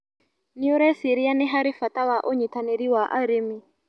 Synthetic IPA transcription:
niɔɾɛsiɾianɛɦaɾifatawaʔɔɲitaneɾiwaʔa̰ɾimi

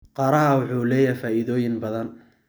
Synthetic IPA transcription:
qɑːɾɐɦɐwʊħuːlɛːjɐfaːʔɪðɔːjɪnbɐðɐn

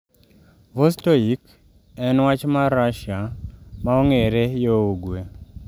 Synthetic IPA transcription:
vostoik | ɛnwat͡ʃmaɾaʃjamaoŋeɾejooɡwe

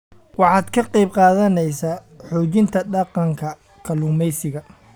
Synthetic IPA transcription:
wɑħɑːd̪kʰɐqɑjb̚qɑːðɐnɛjsaː | ħuːt͡ʃɪnt̪ʰɐɖɑqɑŋkʰɐ | kʰɐluːmɛjsɪɣɐ

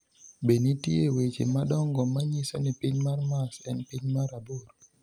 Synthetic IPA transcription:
benitiewet͡ʃḛmaɗɔŋɡɔmaɲisonipiɲmaɾmasɛnpiɲmaɾaboɾ

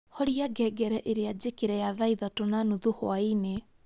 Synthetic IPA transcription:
hɔɾiaɡɛɡɛɾɛʔeɾead͡ʑekeɾɛjaðaiðatonanuðuhoaine

